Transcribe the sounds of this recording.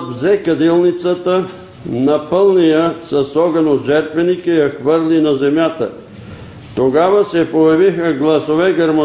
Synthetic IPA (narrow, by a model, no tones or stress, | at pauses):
vzɛkɐd̪ilˠnit̪sət̪ə | nɐpəlˠnijəsɐsɔɡɐnoʒɛɾt̪vɛnikəjɐxvəɾlinɐzɛmjat̪ə̰ | t̪oɡavɐsɛpojɐvixəɡlˠɐsovɛɡɐɾmo